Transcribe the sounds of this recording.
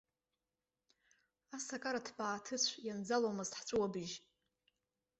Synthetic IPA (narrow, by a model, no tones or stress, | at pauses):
asakʼaɾadʰbʼaːtʰɨt͡ɕʷʰjand͡zalomɨztħt͡sʷʼuwabɨʒ